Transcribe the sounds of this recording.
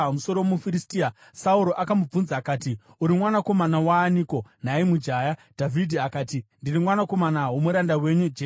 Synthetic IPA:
muso̞ɾomufiɾistia | sauɾo̞ʔakamub͡vunzaːkaːti | uɾimwanako̞manawaːniːko̞n̤aimud͡ʒaːjadʱavʱidʱiakaːtindirimwanako̞manaɦwo̞muɾandawe̞ɲud͡ʒe

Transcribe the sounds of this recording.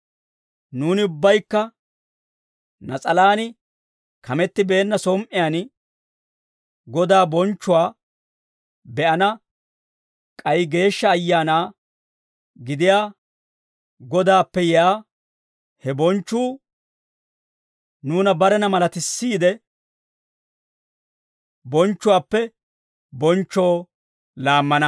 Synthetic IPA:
nuːnɪʊbːɐjkːɐ | nɐt͡sʼɐlaːnɪ | kɐmɛt̪ːɪbe̞ːnːɐsɔːmʔɪjaːn | ɡɔd̪aːbɔnt͡ʃːʊwaː | bɛʔɐnɐ | kʼɐjɡe̞ːʃːɐːjːaːnaː | ɡɪd̪ɪjaː | ɡɔd̪aːpːɛjaː | hɛbɔnt͡ʃːuː | nuːnɐbɐɾɛnɐmɐlɐt̪ɪsːiːd̪ɛ | bɔnt͡ʃːʊwaːpːɛ | bɔnt͡ʃːoː | laːmːɐnɐ

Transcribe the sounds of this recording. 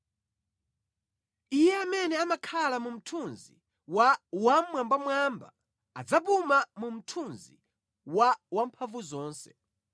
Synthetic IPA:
ijɛamɛnɛamakʰalamum̩tʰunzi | wawamwambamwamba̰ː | d͡zapumamum̩tʰunzḭ | wawampʰaɱvuzɔːnsɛ̥

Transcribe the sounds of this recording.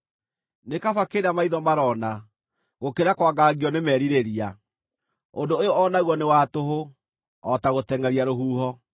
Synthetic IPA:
nekafakeːɾamaiðɔmaɾɔna | ɣokeɾakwaɡaɡiɔnemɛɾiɾeɾia | ondoojoɔnaɣwɔnewatoɦo | ɔtaɣotɛŋaɾiaɾoɦuːɦɔ

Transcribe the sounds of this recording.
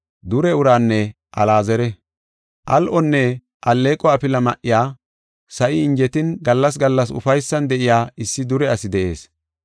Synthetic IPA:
d̪ʊɾɛʊɾaːnːɛ | ʔɐlaːzɛɾɛ | ʔɐlʔɔnːɛ | ʔɐlːeːkʼːɔɐpɪlɐmɐʔɪjaː | sɐʔɪɪnd͡ʒɛt̪ɪnɡɐlːɐs̬ɡɐlːɐsʊ̰fɐjsːɐnd̪ɛʔɪjaːɪsːɪd̪ʊɾɛɐsɪd̪ɛʔe̞ːs

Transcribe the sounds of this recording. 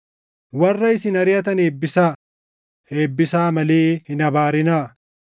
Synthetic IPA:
wɐrːɐɪsɪnɐɾɪjɐt̪ɐneːbːɪsaː | e̞ːbːɪsaːmɐleːhɪnɐbaːɾɪnaː

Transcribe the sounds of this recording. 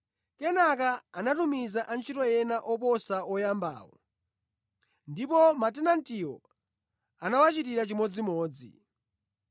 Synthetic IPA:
kɛnakaanatumizaʔant͡ʃʰitɔjɛnaʔɔpɔsaɔjamba̰ːwɔ̰ | ndipɔmatɛnantiɔ̰ | anawat͡ʃit̬iɾat͡ʃimɔd͡zimɔːd͡zḭ

